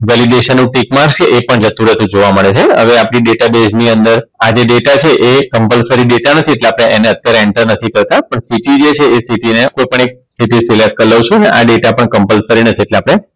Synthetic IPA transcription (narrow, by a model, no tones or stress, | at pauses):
ʋɛliɖeʃənːũʈikmaɾt͡ʃʰeʔepəɳd͡ʒət̪ũɾəɦt̪ũd͡ʒoʋaməɭet͡ʃʰeə̰ʋeapɽ̃iɖeʈabed͡ʒniənd̪əɾad͡ʒeɖeʈat͡ʃʰeʔekəmpəlsəɾiɖeʈanət̪ʰieʈleapɽ̃eʔeneət̪jaɾeɛɳʈəɾnət̪ʰikəɾt̪apəɳsiʈid͡ʒet͡ʃʰeesiʈinekojpəɳek̚siʈisilek̚kəɾləwt͡ʃʰõəneʔaɖeʈapəɳkəmpəlsəɾinət̪ʰieʈleapɽ̃e